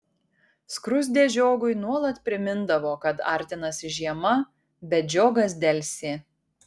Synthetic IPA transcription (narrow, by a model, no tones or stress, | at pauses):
skɾʊzʲd̪ʲeːʒʲoːɡʊɪnuɔlˠɐt̪pʲɾʲɪmʲɪnd̪ɐʋoːkɐt̪ɑ̰ˑɾʲt̪ʲɪnɐsʲɪʒʲiɛmɐ | bʲɛt̪d͡ʒʲoːɡɐs̬d̪ʲɛlʲˑsʲeː